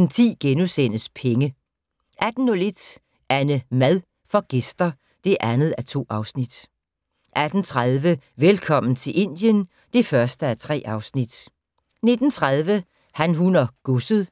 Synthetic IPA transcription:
nt͡sʰḭːɡ̥enusen̰əspʰeŋə | ʔæd̥n̩ːɔle̝d̥ | ʔæɐnəmæðˠ | fɒ̽ɡ̥e̝sd̥ɐ | d̥e̝ʔænð̞̩ˠæt͡sʰo̝̰ːʔɑ̈ʊsnid̥ | ʔæd̥n̩t͡sʰʁaðˠʋəʋelkʰɒ̽m̰n̩t͡sʰe̝lʔe̝n̰d̥jən | d̥e̝fɶɐsd̥əæt͡sʰʁɛ̰ːʔɑ̈ʊsnid̥ | ne̝d̥n̩t͡sʰʁað̞ˠʋə | hænɦunɐɡ̥usəð̩ˠ

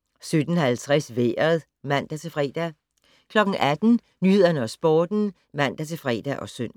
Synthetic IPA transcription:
sød̥n̩ɦælt͡sʰʁɛsʋḛːɐðˠ | mæn̰d̥æt͡sʰe̝lfʁɛ̰d̥æ | kʰlɒ̽ɡ̥ŋ̩æd̥n̩ | nyhe̝ð̰ˠɐnəɒ̽sb̥ɒːd̥n̩ | mæn̰d̥æt͡sʰe̝lfʁɛ̰ːd̥æʔɒ̽søn̰

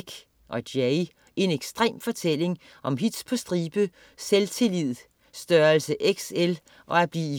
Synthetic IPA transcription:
ɡ̥ | ʔɒ̽d̥jeɪ | ʔe̝neɡ̥sd̥ʁḛːmfɒ̽t͡sʰel̰e̝ŋ | ʔɒ̽mɦid̥spʰɒ̽sd̥ʁiːb̥ə | selt͡sʰe̝lið̰ˠ | sd̥ɶːɐlsəʔeɡ̥sel | ʔɒ̽æb̥liːi

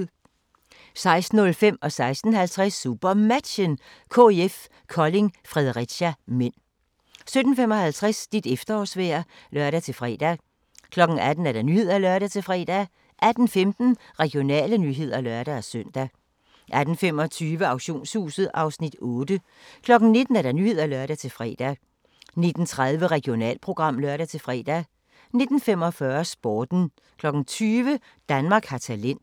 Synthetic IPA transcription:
sɑ̈ɪsd̥n̩ɔ̽lfem̰ɒ̽sɑ̈ɪsd̥n̩hælt͡sʰʁasːuːb̥ɐmæd̥ɕənkʰo̝̰eef | kʰɒ̽le̝ŋfʁɛðˠʁid̥ɕæmen̰ | sød̥n̩femɒ̽hælt͡sʰʁɛsd̥id̥efd̥ɐɒ̰ːsʋḛːɐ | lɶɐɾæt͡sʰe̝lfʁɛ̰ːd̥æ | kʰlɒ̽ɡ̥n̩æd̥n̩æɐd̥enːyhe̝ð̞̰ˠælɶɐɾæt͡sʰe̝lfʁɛ̰ːd̥æ | ʔæd̥n̩femd̥n̩ʁɛɡ̥ijo̝nɛ̰ːlənyɦe̝ð̞̰ˠɐlœɐɾ̥ææsœn̰d̥æ | ʔæd̥n̩fem̰ɒ̽t͡sʰyːʋəɑ̈ʊɕo̝̰ːnshṵːsð̩ˠʔɑ̈ʊsnid̥ɔːd̥ə | kʰlɒ̽ɡ̥n̩ne̝d̥n̩æɐɾ̥ɑ̈nyːhe̝ð̰ˠælœɐɾæt͡sʰe̝lfʁɛ̰ːd̥æ | ne̝d̥n̩t͡sʰʁaðˠʋəʁɛɡ̥io̝nɛ̰ːlpʰʁo̝ɡ̥ʁɑ̈m̰lœɐɾæt͡sʰe̝lfʁɛ̰ːd̥æ | ne̝d̥n̩fem̰ɒ̽fɶɐsb̥ɒːd̥n̩ | kʰlɒ̽ɡ̥n̩t͡sʰyːʋə | d̥ænmɑ̈ːɡ̥hɑt͡sʰælen̰

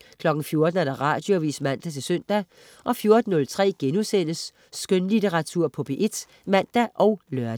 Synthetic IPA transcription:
kʰlɒ̽ɡ̥n̩fjo̝ɐd̥n̩æɐɾ̥ɑ̈ʁɑ̈d̥joʋḭːsmæn̰d̥æt͡sʰe̝lsøn̰d̥æ | ʔɒ̽fjo̝ɐd̥n̩ːɔ̽lt͡sʰʁɛ̰ːɡ̥enusen̰əsː | ɡ̥ønlit͡seʁɑ̈t͡sʰuɐ̰pʰɔb̥eʔe̝d̥ | mæn̰d̥æʔɒ̽ʊlœɐd̥

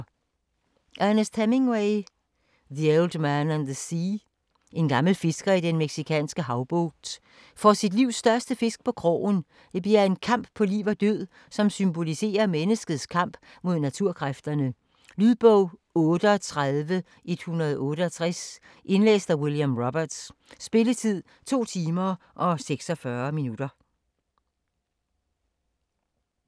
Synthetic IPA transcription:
ʔæɐnəstʰæme̝ŋweɪ | ðield̥mænænðəsi | e̝nɡ̥ɑ̈ml̩fe̝sɡ̥ɐid̥enmeɡ̥sikʰɛ̰ːnsɡ̥əɦɑ̈ʊb̥ɔ̥ːd̥ | fɒsid̥liʊ̰sd̥ɶɐsd̥əfe̝sɡ̥̚pʰɒ̽kʰʁɔ̰ːn | d̥e̝b̥liɐe̝nkʰɑ̈m̰b̥pʰɒ̽liːʊʋɒd̥øð̞̰ˠ | sɒ̽msymb̥o̝lise̝̰ːɐmenəsɡ̥ð̞̩ˠskʰɑ̈m̰b̥ | mo̝ð̰ˠnæt͡sʰuɐ̰kʰʁafd̥ɐnə | lyðˠb̥ɔʊ̰ɔ̽ːɾ̥əɒt͡sʰʁaðˠʋə | ʔe̝d̥hunʁɐð̞̩ˠɔ̽ːɾəɒ̽t͡sʰʁas | ʔe̝nlḛːsd̥ɐwiljamʁɒb̥ɐd̥sːb̥e̝lət͡sʰið̞̰ˠ | t͡sʰo̝̰ːt͡sʰiːmɐ | ʔɒ̽seɡ̥sɒ̽fɶɐminud̥ɐ

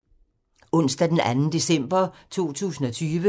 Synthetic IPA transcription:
ɔ̽n̰sd̥æd̥enʔænn̩d̥e̝sem̰b̥ɐt͡sʰo̝̰ːt͡sʰṵːsn̩ɒ̽t͡sʰyːʋə

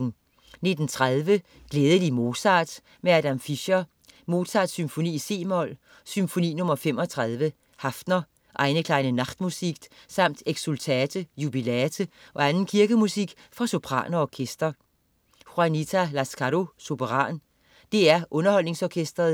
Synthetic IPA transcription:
ne̝d̥n̩t͡sʰʁaðˠʋə | ɡ̥leːð̞ˠəd̥imo̝ːsɑ̰̈ːd̥ | meæd̥æmfiɕɐ | mo̝̥ːsɑ̰d̥symfo̝nḭːise̝̰ːmɒl̰ | symfo̝nḭːnɔ̽mɐfem̰ɒ̽t͡sʰʁað̞ˠʋə | hɑfd̥nɐ | ʔɑ̈ɪnəkʰlɑ̈ɪnənɑ̈ɡ̥d̥musiɡ̥sɑ̈m̰d̥eɡ̥sult͡sʰɛːd̥ʰəjub̥ilæːt͡sʰəʔɒ̽ænn̩kʰiɐɡ̥əmusiɡ̥ | fʁɑ̈so̝pʰʁɑ̰̈ːnɐɒkʰesd̥ɐ | fʁɑnit͡sʰælæskʰɑɾo̝so̝bʰəʁɑ̰̈ːn | d̥e̝æɐʔɔ̽nɐhɒ̽l̰ne̝ŋsɒkʰesd̥ʁɐðˠ

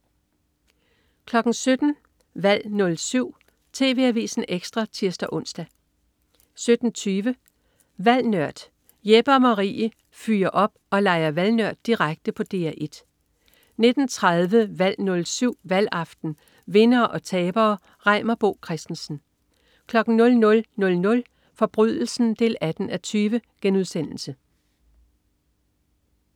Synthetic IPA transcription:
kʰlɒ̽ɡ̥n̩sød̥n̩ | ʋæl̰nɔ̽lsyʊ̰ | t͡sʰe̝̰ːʋe̝̰æʋḭːsn̩eɡ̥sd̥ʁɑ̈t͡sʰiɐsd̥æʔɔ̽n̰sd̥æ | sød̥n̩t͡sʰyːʋə | ʋæl̰nɶɐ̰d̥ | jeb̥ɐmɑʁḭːə | fyːɐʔɒ̽b̥ɒ̽lɑ̈ɪɐʋælnœɐ̰d̥ːiʁaɡ̥̚d̥əpʰɒ̽d̥e̝æʔe̝d̥ | ne̝d̥n̩t͡sʰʁaðˠʋəʋæl̰nɔ̽lsyʊ̰ʋælɑ̈fd̥n̩ | ʋe̝nɐːʔɒ̽t͡sʰɛːb̥ɐː | ʁɑ̈ɪ̰mɐb̥o̝̰ːkʰʁɛsd̥n̩sn̩ | kʰlɒ̽ɡ̥n̩nɔ̽lnɔ̽lnɔ̽lnɔ̽l | fɒ̽b̥ʁyðˠl̩sn̩d̥e̝̰ːlæd̥n̩æt͡sʰyːʋəɡ̥enuð̞ˠsen̰l̩sə

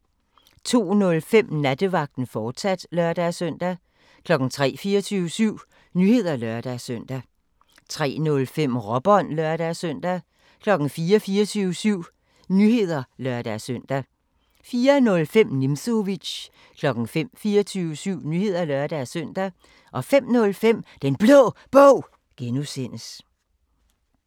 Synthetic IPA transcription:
t͡sʰo̝̰ːnɔ̽lfem̰næd̥əʋɑ̈ɡ̥̚d̥n̩fɒ̥ːsæd̥lɶɐd̥æsœn̰d̥æ | kʰlɒ̽ɡ̥n̩t͡sʰʁɛ̰ːfiːɐt͡sʰyːʊəsyʊ̰ | nyhe̝ð̰ˠɐlɶɐd̥æsøn̰d̥æ | t͡sʰʁɛ̰ːnɔ̽lfem̰ʁɒb̥ɒn̰lɶɐɾ̥æsœn̰d̥æ | kʰlɒ̽ɡ̥n̩fiːɐfiːɐt͡sʰyːʊəsyʊ̰ | nyhe̝ð̞̰ˠɐlɶɐd̥æsœn̰d̥æ | fiːɐnɔ̽lfem̰nimso̝ʋi̥ɕ | kʰlɒ̽ɡ̥n̩fem̰fiːɐt͡sʰyːʊəsyʊ̰nyhe̝ð̞̰ˠɐlɶɐd̥æsøn̰d̥æ | ʔɒ̽fem̰nɔ̽lfem̰d̥enb̥lɔ̰ːb̥ɔʊ̰ | ɡ̥enuse̝n̰əs

